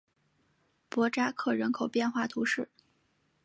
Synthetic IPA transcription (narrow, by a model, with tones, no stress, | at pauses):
pwɔ˧˥ʈ͡ʂa˥kʰɤ˥˩ɻə˧˥nkʰo˨˩ʊpjɛ˥˧nxwa˥˩t̪ʰu˧˥ʂɻ̩˥˩